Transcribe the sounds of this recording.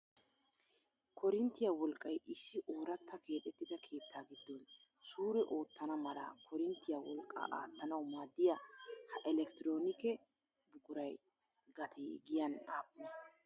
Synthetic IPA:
kʰɔɾɪnt̪ːɪjɐwɔlkʼːɐjʔɪsːɪʔoːɾɐt̪ːɐkʰe̞ːt̪ʼɛt̪ːɪd̪ɐkʰe̞ːt̪ːaːɡɪd̪ːɔn | suːɾɛʔo̞ːt̪ːɐnɐmɐlɐ̰kʰɔɾɪnt̪ːɪjɐwɔlkʼːɐ̰ʔa̰ːt̪ːɐnɐwmaːd̪ːɪjɐhɐʔɛlɛkt̪ɪɾo̞ːnɪkɛ | bʊɡʊɾɐj | ɡɐt̪ʰejɡɪjɐnaːpːʊnɐ

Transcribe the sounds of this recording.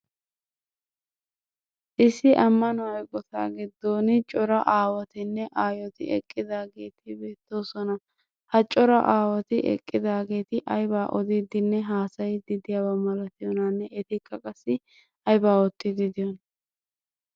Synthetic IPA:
ʔɪsːɪʔɐmːɐnɔɐjɡʼɔt̪a̰ːɡɪd̪ːo̞ːnɪt͡ʃʼɔɾɐʔaːwɐt̪ɪnːɛʔaːjɔt̪ɪ̰ɛ̰kʼːɪd̪aːɡe̞ːt̪ɪbe̞ːt̪ːo̞ːsɔnɐ | hɐt͡ʃʼɔɾɐ̰ʔaːwɐt̪ɪʔɛ̰kʼːɪd̪aːɡe̞ːt̪ɪʔɐjbaːʔɔd̪id̪ɪnːɛɦaːsɐjd̪ɪd̪ɪjaːwɐmɐlɐt̪ɪjɔnɐnːɛɛt̪ɪkʼːɐkʼɐsːɪ | ɐjbaːɔt̪ːɪd̪ɪd̪ɪjɔn

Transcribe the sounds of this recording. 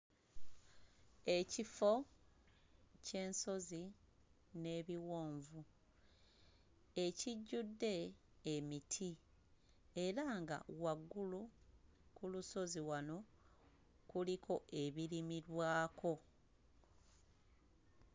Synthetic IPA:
e̞cifo̞ | ce̞ːnso̞zi | ne̞βiwo̞ːɱvu | eciɟːudːe̞ː | mitʰi | eɾaŋɡa̰waɡːulu | kuluso̞ziwano̞ | kulikʰo̞ʔe̞βiɾimiɾwaːko̞

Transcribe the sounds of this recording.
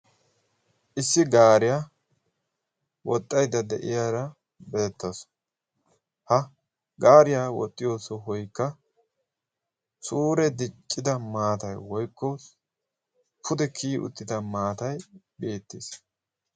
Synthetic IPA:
ʔɪsːɪɡaːɾɪjaː | wɔt̪ʼːɐjd̪ɐd̪ɛʔɪ̰jaːɾɐ | bɛɛt̪ːɐs | hɐ | ɡaːɾɪjaːwɔ̰t̪ʼːɪjo̞ːsɔɦɔjkːɐ | suːɾɛd̪ɪt͡ʃʼːɪd̪ɐmaːt̪ɐjwɔjkːɔ | pʰʊd̪ɛkʰiːʔʊ̰t̪ːɪd̪ɐmaːt̪ɐj | be̞ːt̪ːeːs

